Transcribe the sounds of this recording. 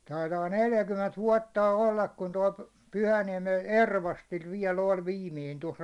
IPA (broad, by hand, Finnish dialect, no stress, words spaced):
tɑitɑː neljækymːent ʋuɒtːɑˑ olːɑk kun toi pyhæniɛmen erʋɑstil ʋiɛl olʲ ʋiːmiːn tos